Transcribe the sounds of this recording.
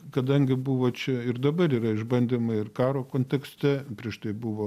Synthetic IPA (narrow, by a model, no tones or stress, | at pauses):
kɐd̪ɐŋʲɡʲɪbʊʋoːt͡ʃʲɛɪrd̪ɐbɐɾiːɾɐɪʒbɐnʲd̪ʲimɐɪrkɑːɾoːkoːnʲt̪ʲɛksʲt̪ʲɛpʲɾʲiɛʃt̪ɐɪbʊʋoː